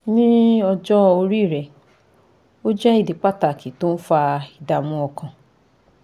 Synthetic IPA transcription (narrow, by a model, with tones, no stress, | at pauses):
nĩ˦ɔ˧d͡ʒɔ˦o˧ɾi˦˨ɾɛ˨ | o˦d͡ʒɛ˦i˦˨di˨˦k͡pa˦ta˨ki˨to˦n̩˦fa˧i˨da˨mũ˧˦ɔ˧kã˧